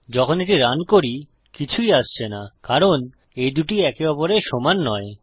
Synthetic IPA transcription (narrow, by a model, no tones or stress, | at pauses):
d͡ʑɔkʰoneʈiɾankoɾi | kit͡ɕʰuiaʃt͡ɕʰenakaɾon | ejd̪uʈiɛkeɔpoɾeʃɔmanːɔe